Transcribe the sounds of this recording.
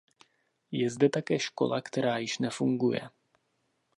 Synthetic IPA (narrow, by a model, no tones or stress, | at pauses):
jɛzdɛt̪akɛːʃko̞̰lakt̪ɛɾaːjɪʃnɛfuŋɡujɛ̰